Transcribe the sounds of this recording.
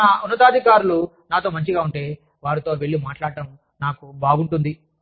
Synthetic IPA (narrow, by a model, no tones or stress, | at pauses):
nɐunːɐt̪̬aːd̪ʱikaːɾulu | naːt̪o̞ːmɐɲt͡ʃiɡaːuɳʈe̞ː | ʋaːɾit̪o̞ːʋe̞ɭːimaːʈlaːɽɐʈɐm | naːkubaːɡuɳʈund̪i